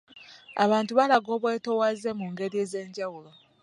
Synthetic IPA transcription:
aβaːntuβalaɡo̞ːβwe̞ːto̞wazemuŋɡe̞ɾieze̞ːɲɟawulo̞

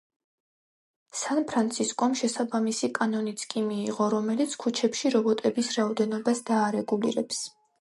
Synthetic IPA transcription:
sanpʰɾant̪sʰiskʼɔmʃɛsabamisikʼanɔnit̪sʰkʼimiːʁɔɾɔmɛlit̪sʰkʰut͡ʃʰɛpʃiɾɔbɔt̪ʼɛbisɾaɔd̪ɛnɔbasd̪aːɾɛɡulḭɾɛps

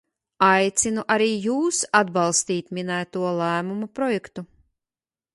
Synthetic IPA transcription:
ajt̪sʲinuʔaɾiːjuːsad̪̚bɑlˠst̪iːt̪mʲinæːt̪uɔlˠæːmumapɾɔjɛkt̪u

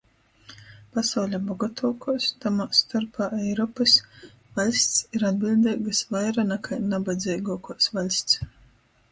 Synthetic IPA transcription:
pasawlʲabɔɡɔt̪ʰuɔkuɔst̪amatst̪aɾpaːʔɛjɾɔːpɨs | valʲsʲt̪siɾad̪̚bʲilʲd̪ɛɡasvajɾanakʰajnabad̪zʲɛjɡɔːkɔɔsvalʲsʲt̪s

